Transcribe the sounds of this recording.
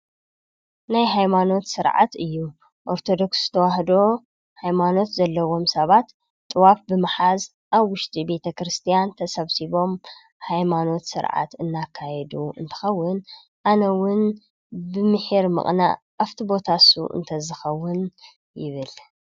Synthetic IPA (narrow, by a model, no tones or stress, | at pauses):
najɦajmano̞t̪sɨɾʕa̰t̪ɨjːu | ʔo̞ɾt̪ʰo̞d̪o̞kszɨ̥t̪ʰɐwahd̪o̞ | hajmano̞t̪zɐlːɐwo̞msɐβat̪ | t̪ʼːɨwafbɨmɨħaz | ʔaβwʊʃt̪ʼibe̞t̪ʰɐkɾɨst̪ʰijant̪ʰɐsɐβsiβo̞m | hajmano̞t̪sɨ̰ɾʕa̰t̪ɨnːakʰːajɛd̪uɨ̰nt̪ʰɨ̥xɐwːʊn | ʔanɐwʊn | bɨmɨħiɾmɨ̰χʼna̰ | ʔaft̪ʰibo̞t̪ʰasṵʔɨ̰nt̪ʰɐzɨxɐwːʊn | jɪβɨl